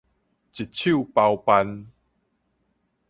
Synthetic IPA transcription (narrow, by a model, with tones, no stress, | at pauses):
t͡ɕi˨˩t̚t͡ɕʰju˥˨pa˧wpa˧n